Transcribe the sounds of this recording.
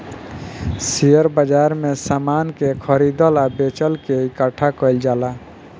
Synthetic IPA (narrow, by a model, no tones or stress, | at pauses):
sijəɾbəd͡ʒaɾmesamankekʰəɾid̪əlabet͡ʃəlkeikəʈʰakəɪld͡ʒala